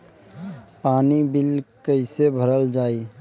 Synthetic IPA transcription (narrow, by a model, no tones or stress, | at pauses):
paːnibɪlkəɪsebʱəɾəld͡ʒaːiː